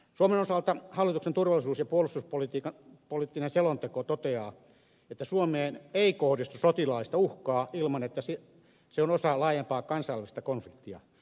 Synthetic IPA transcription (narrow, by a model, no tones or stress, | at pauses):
suomenosɑlt̪ɑhɑlːˑit̪uksent̪urʋɑlːˑisuːsjɑpuolˑust̪uspolit̪iːkɑpolit̪ːinenselont̪ekot̪ot̪eɑː | et̪ːæsuomeːneikohdist̪usot̪ilɑlist̪ɑuhkɑːilmɑnet̪ːæsi | seonosɑlɑːjempɑːkɑnsɑjɑlist̪ɑkonflikt̪ːiɑ̰